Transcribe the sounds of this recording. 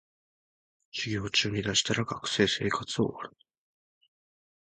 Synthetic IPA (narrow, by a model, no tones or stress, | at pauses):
ɕiɡʲoːt͡ɕɨːɲ̟id̪aɕi̥t̪aɾakakɯ̟̥se̞ːse̞ːkat͡sɨo̞̰βaɾɯ̟̥